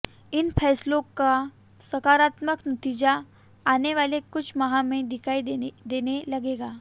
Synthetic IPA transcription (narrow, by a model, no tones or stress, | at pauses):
ɪnpʰɛːslõka | səkaːɾat̪məknət̪iːd͡ʑaː | neʋalekʊt͡ʃʰməɦãmẽd̪ɪkʰaid̪enelɐɡeɡaː